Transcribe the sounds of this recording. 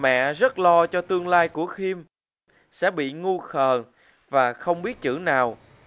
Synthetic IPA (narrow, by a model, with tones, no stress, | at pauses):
mɛ̰˧˨zə˦˥t̚lɔ˧t͡ɕɔ˧t̪ɨ˧əŋlaː˧jku˧˩əxi˧m | sɛ̰˧˥ɓḭ˧˨ŋu˧xəː˨˩n | vaː˨˩xə˧wŋ͡mɓi˦˥ət̚t͡ɕɨ̰˧˩naː˨˩w